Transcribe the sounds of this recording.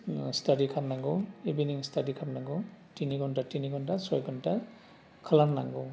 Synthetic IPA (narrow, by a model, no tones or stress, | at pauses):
staɾikʰapnaŋɡɔibiniŋstʰadikʰapnaŋɡutiniɡɔntatiniɡɔntasɔjɡɔnta | kʰalanːa̰ŋɡu